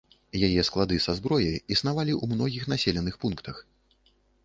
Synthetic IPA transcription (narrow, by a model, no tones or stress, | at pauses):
jajɛsklˠad̪ɨsazbɾɔjɐjisn̪avalʲiʔumnɔɣʲixn̪asʲelʲɛnɨxpunkt̪ɐx